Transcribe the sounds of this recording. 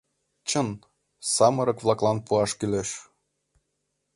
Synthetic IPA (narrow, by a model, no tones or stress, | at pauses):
t͡ɕən | sɑmɤ̆ɾɤ̆kβlˠɑklˠɑnpuɑʃkyleʃ